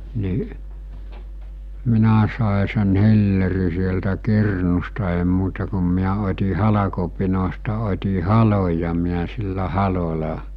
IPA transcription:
ni minæ sɑˑe sen hilːeri sieltæ kirnustɑ eˑi muːtɑ kum miæ otʲi hɑlɑkopinostɑ otʲi hɑloj jɑ miæ silːæ hɑlolɑ

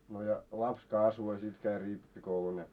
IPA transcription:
no jɑ lɑps kɑsʋo jɑ sit kæi ripːikoulun jɑ

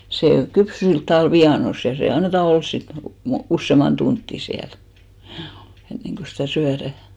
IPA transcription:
seˑ kypsy silt tɑʋɑˑl ʋiɑnos jɑ se ɑnːetɑ ols sit mo usːeˑmɑn tuntːi siæl hjuː enːeŋɡ̊o sitæˑ syæræˑ

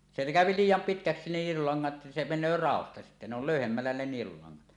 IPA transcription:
se kæˑøpi liːjˑɑm pitkæksi nielulɑŋːɑt se menˑøː rɑˑostɑ sitːæ ne ol løˑyhemːælːæ ne nielulɑŋːɑt

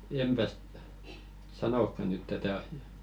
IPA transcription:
empæs sɑnokːɑ nyt tætæ ɑsiɑ̆

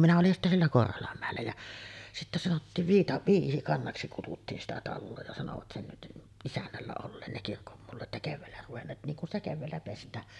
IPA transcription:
minæ olin sitːæ sielːæ korholɑmːæˑelːæ jæ sitːæ sɑnotːiːʋ ʋiːtɑ ʋiːsikɑnːɑksi kututːiːn sitæ tɑlːoː jɑ sɑnoʋɑt sen isænːælːæ olːeːn ne kirkomːulːɑt jɑ keʋːæːlːæ ruʋenːeːt niːŋ kun stɑ keʋːæːlːæ pestˑæː

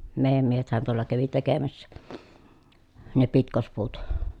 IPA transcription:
meˑi̯jæm miehethæn tuolˑɑ kæʋi tekemæsːæ ne pitkospuːt

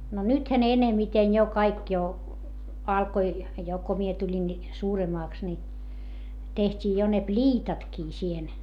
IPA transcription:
no nythæ ne enemiten jo kɑik jo ɑlkoi jo ko mie tulʲin ni suːremɑːks ni tehtʲiː jo ne plʲiːtɑtkiː siːhen

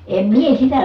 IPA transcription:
em mie sitæ

